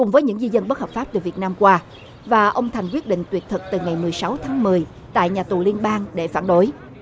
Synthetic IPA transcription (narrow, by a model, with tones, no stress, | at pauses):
kʊ˨˩ŋ͡mvəː˨˦jɲɨ̰˧˥ŋzi˧zə˧nɓə˦˥t̚həː˨˩p̚fa˦˥p̚t̪ɨ˨˩vi˨˩ət̚naː˧mkwaː˧ | vaː˨˩ʔə˧wŋ͡mt̪ʰa˨˩ŋkwi˦˥ət̚ɗḭ˧˨ŋ̟t̪wi˨˩ət̚t̪ʰɨ˨˩k̚t̪ɨ˨˩ŋa˨˩jmɨ˨˩əjsa˨˦wt̪ʰaː˨˦ŋmɨ˨˩əj | t̪a̰ː˧˨jɲaː˨˩t̪u˨˩li˧ənɓaː˧ŋɗe˧˩faː˧˩nɗo˨˦j